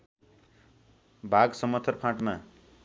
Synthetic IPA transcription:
bʱaɡsʌmʌt̪ʰːʌrpʰãʈma

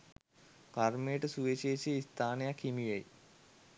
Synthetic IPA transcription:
karmejʈəsuʋeʃeːʃeist̪ʰaːnejakhimiʋej

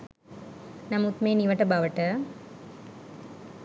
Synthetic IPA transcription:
nɐmut̪meːniʋəʈəbaʋəʈə

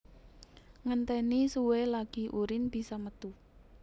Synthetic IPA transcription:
ŋənt̪ɛnisuwelaɡ̥i̤ʔuɾɪnbi̤samət̪u

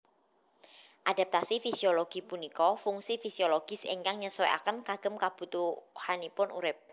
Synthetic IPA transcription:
ʔad̥a̤p̚t̪asifisioloɡ̥i̤punikɔfuŋsifisioloɡ̥ɪ̤sḛŋkaŋɲəsɔja̰kənkaɡ̥ə̤mkab̥ṳt̪uhanipʊnṵɾɪp̚

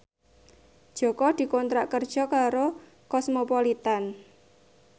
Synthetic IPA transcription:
d̥ʒ̥ɔ̤kɔd̪̥i̤kɔnt̪ɾaʔkərd̥ʒ̥ɔ̤kaɾo | kɔsmopɔlit̪an

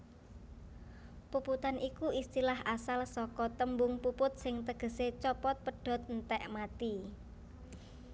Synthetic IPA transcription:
puput̪anʔikuʔist̪ilahʔasalsɔkɔt̪əmbʊŋpupʊt̪̚sɪŋt̪əɡ̥ə̤set͡ʃɔpɔt̪̚pəɖ̥ɔ̤t̪̚nt̪ɛʔmat̪i

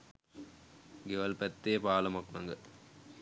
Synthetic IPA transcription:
ɡeʋɐlpæt̪ːeːpaːlɐmɐknɐŋɡə

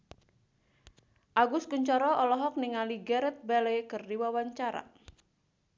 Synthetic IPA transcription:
ʔaɡʊskuɲt͡ʃɔɾɔʔɔlɔɦɔk̚niŋaliɡɛɾɛt̪̚balɛkɨrdiwawaɲt͡ʃaɾa̰

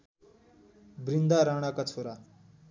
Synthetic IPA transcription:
bɾind̪aɾaːɽ̃akat͡sʰoɾa

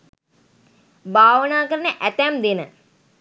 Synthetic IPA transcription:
baːʋənaːkəɾənəʔæt̪æmd̪enə

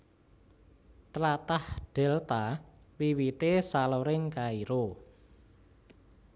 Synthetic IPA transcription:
t̪lat̪ahɖ̪̥ɛ̤lt̪a | wiwit̪esaloɾɪŋkaiɾo

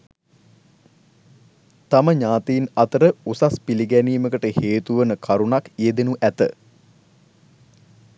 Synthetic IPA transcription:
t̪aməɲaːt̪iːnat̪əɾəusaspiliɡæniːməkəʈəheːt̪uʋənəkʰaɾunakeːd̪enuʔæt̪ə

